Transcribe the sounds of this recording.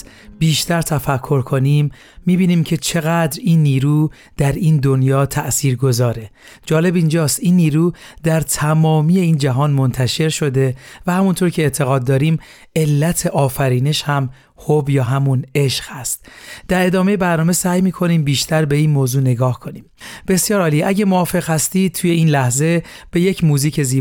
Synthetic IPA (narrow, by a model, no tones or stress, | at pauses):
biːʃt̪ʰæɾt̪ʰæfækʰːo̞ɾkʰo̞nimː | iːbiːniːmcʰe̞t͡ʃʰe̞ɣæd̪ɾiːnːiːɾuː | d̪̥æɾiːnd̪o̞njɒːt̪ʰæʔsiːɾɡo̞zɒːɾe | d͡ʒɒːle̞bind͡ʒɒːst̪iːnːiːɾuːd̪æɾt̪ʰæmɒːmije̞iːnd͡ʒæɦɒːnmo̞nt̪ʰæʃe̞ɾʃo̞d̪e̞væhæmunt̪ʰo̞ɾcʰe̞ːt̪ʰe̞ɣɒːd̪ːɒːɾiːm | e̞lːæt̪ʰe̞ʔɒːfæɾiːne̞ʃhæm | hobjɒːɦæmune̞ʃɣ̥hæst̪̚d̪̥æɾe̞d̪ɒːme̞jebæɾnɒːme̞sæːjmiːkʰo̞niːmbiːʃt̪ʰæɾbe̞iːnmoːzuːne̞ɡɒːhkʰo̞niːmb̥e̞sjɒːɾɒːliʔæɟemoɒːfe̞ɣhæst̪iːt̪ʰuːje̞iːnlæhze̞b̥e̞je̞cʰmuːziːcʰe̞ziː